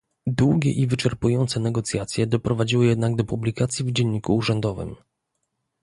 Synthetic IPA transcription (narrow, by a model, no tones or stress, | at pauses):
d̪wuɡʲɛ̰ʔivɘt͡ʂɛɾpujɔnt̪sɛnɛɡɔt̪sʲjat̪sʲjɛd̪ɔpɾɔvad͡ʑiwɘjɛd̪naɡ̚d̪ɔpublʲikat̪sʲjivd͡ʑɛɲːikuːʐɛnd̪ɔvɘ̰m